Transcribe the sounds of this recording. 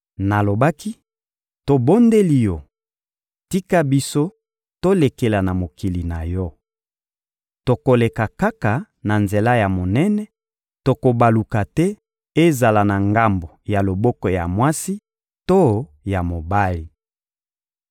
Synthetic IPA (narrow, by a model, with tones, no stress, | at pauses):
na˨lo˨ba˦ki˦ | to˨bo˦nde˦li˦jɔ˦ | ti˦ka˦bi˦so˦ | to˦le˨ke˨la˨na˨mo˨ki˨li˨na˨jɔ˦ | to˨ko˨le˨ka˨ka˦ka˨ | na˨nze˨la˦ja˨mo˨nɛ˦nɛ˦ | to˨ko˨ba˨lu˨ka˨tɛ˦ | e˦za˨la˨na˨ŋɡa˦mbo˨ja˨lo˨bɔ˦kɔ˨ja̰˨mwa˦si˦ | to˦ | ja˨mo˨ba˦li˨